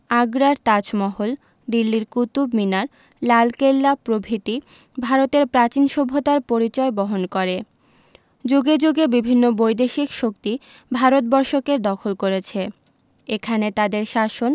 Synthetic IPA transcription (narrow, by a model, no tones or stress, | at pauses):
aɡɾaɾt̪at͡ɕmɔɦol | d̪ilːiɾkut̪ubminaɾ | lalkelːapɾobʱit̪i | bʱaɾot̪eɾpɾat͡ɕinʃobʱːot̪aɾpoɾit͡ɕɔebɔɦonkoɾe | d͡ʑoɡed͡ʑoɡebibʱinːobojd̪eʃikʃokt̪i | bʱaɾot̪̚bɔɾʃokeɾd̪ɔkʰolkoɾet͡ɕʰe | ekʰanet̪ad̪eɾʃaʃon